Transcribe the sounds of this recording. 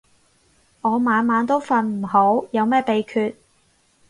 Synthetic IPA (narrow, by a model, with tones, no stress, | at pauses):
ŋɔː˨˧maː˨˧nmaː˨˧˥nt̪o˥wfɐ˨˧nm̩˨˩ho˨˥wjɐ˨˧wmɛː˥pe˨˧jkʰyː˧t̚